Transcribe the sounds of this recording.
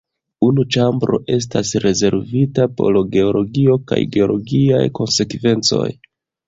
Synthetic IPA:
unut͡ʃambɾo̰ʔe̞s̬tasɾe̞ze̞ɾvitapo̞̰loɡe̞o̞lo̞ɡio̞ka̰jɡe̞o̞lo̞ɡia̰jko̞nse̞kve̞nt͡so̞̰j

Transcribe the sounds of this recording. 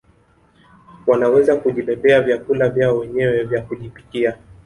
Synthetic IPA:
wanawɛzakuʄipɛpɛavjakulavjaɔwɛɲɛwɛvjakuʄipi̥kia

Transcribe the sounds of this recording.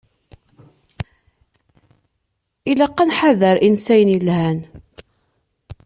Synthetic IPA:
iləqːanħaðəɾʔinsæjənjəlhæn

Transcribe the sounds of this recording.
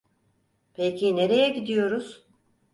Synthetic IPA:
pʰecʰine̞ɾe̞jɛɟid̪ijo̞ɾuz̥

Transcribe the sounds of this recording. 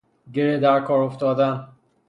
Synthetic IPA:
ɟeɾed̪æɾkʰɒːɾoft̪ɒːd̪æn

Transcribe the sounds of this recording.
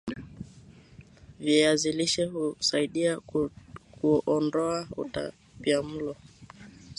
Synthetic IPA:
vjɛaziliʃɛhusaiɗia | kuʔɔndɔaṵta̰ | piam̩lɔ

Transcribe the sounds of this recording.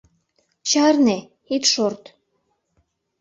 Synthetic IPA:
t͡ɕɑrne | it̪ʃort̪

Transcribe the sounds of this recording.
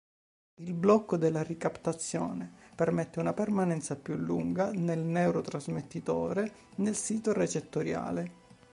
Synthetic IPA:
ilblɔkːod̪elːarikapt̪at̪sːjoːnepermɛt̪ːeunapermanɛnt̪sapjulːuŋɡanelnɛwɾot̪ɾazmet̪ːit̪oːɾe | nelsiːt̪oret͡ʃet̪ːoɾja̰ːle

